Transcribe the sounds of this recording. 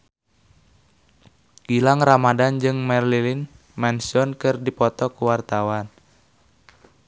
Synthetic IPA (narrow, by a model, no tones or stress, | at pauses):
ɡ̥ilaŋramadand͡ʒɨŋmɛrlilin | mɛnsɔnkɨrdipɔt̪ɔkuwart̪awan